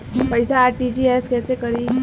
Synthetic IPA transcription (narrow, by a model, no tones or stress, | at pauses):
pɐɪsaaːɾʈiːd͡ʒiɛːskɛːsekɐɾi